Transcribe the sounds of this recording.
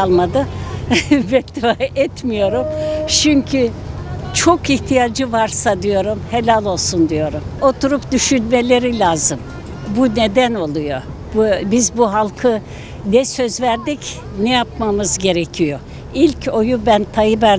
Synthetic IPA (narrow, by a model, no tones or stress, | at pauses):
lˠmad̪ɯ | vɛkt̪ʰivaɛt̪mijo̞ɾumt͡ʃʰyɲcʰy | t͡ʃʰo̞kiht̪ʰijad͡ʒɯvaɾsad̪ijo̞ɾumhelʲalʲˠo̞lˠsund̪ijo̞ɾumo̞t̪ʰuɾupd̪yʃynme̞lʲe̞ɾilʲaːzɯm | bune̞d̪æno̞lˠujo̞ | bbizbuɦalˠkʰɯ | nɛsø̞zvæɾd̪ic | nɛjapmamɯzɟe̞ɾecʰijo̞ | ilʲcʰo̞jubænt̪ʰajɯbæɾ